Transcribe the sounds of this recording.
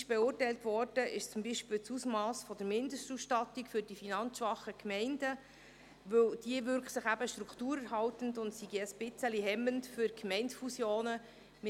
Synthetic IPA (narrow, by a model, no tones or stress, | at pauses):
ʃb̥ɛʊːrtɛɪltʋɔrd̥əʔɪʃt͡sʊmbiʃpɪlt͡susmɑːsfɔd̥əɾmɪndəsʃtusʃtɑt̪ikfʏɾd̥ifinɑnt͡sʋɑχəkmɛɪndə | ʋɵwd̥iəʋʏɾkχsɪχæbəʃtɾukχtuːɾəɾɦɑltəndʊntsiɡiəsb̥ɪt͡səliɦɛmːəntfʏɾkmɛɪntfusjoːnə | m